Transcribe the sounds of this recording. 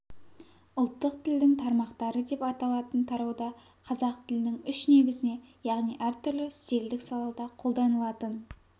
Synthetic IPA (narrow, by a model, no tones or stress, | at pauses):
ʊlˠt̪ːəqt̪ʰɪld̪ɪŋt̪ʰɑɾmɑqt̪ɑɾəd̪e̞pɑt̪ɑlˠɑt̪ənt̪ʰɑɾɑwd̪ɑ | qʰɑzɑq̚t̪ʰɪlɪnɪŋʏʃne̞ɡʲɪzɪne̞jɑʁnijʔæɾt̪ʰʏɾlɪst̪e̞ld̪ɪksɑlˠɑd̪ɑqʰo̞lˠd̪ɑnəlˠɑt̪ən